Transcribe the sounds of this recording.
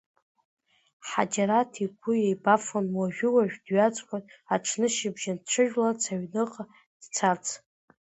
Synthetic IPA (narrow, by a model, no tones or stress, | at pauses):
ħa̰d͡ʒaɾatʰikʷʰʊjejbafonwaʒᶣʊwaʒᶣdɥat͡sʼkʲʷʼataʈ͡ʂʰnɨʃɪbʒanʈ͡ʂʷʰɨʒᶣlat͡sʰaɥnɨqʼ | d̥t͡sʰat͡sʰ